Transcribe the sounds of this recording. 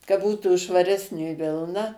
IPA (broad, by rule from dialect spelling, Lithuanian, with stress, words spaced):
kɐ ˈbuːtuː ʃʋɐˈrʲæːsʲnʲeː ˈʋʲɪlˠnɐ